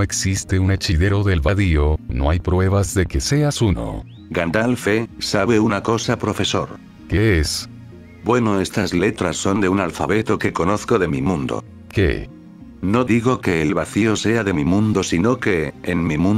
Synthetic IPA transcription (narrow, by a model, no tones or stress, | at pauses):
eksist̪eune̞t͡ʃiðe̞ɾo̞ðe̞lβaðiono̞̰ajpɾwe̞β̞azðe̞ke̞se̞asuno̰ | ɡand̪alfesaβe̞unako̞sapɾo̞fe̞so̞̰ɾ | kees | bwe̞noest̪azle̞t̪ɾasːo̞nd̪e̞unalfaβe̞t̪o̞ke̞ko̞no̞θkoðe̞mimũnd̪o̰ | kḛ | no̞ðiɣo̞ke̞ːlβaθio̞se̞aðe̞mimũnd̪o̞sinoke̞enmimũn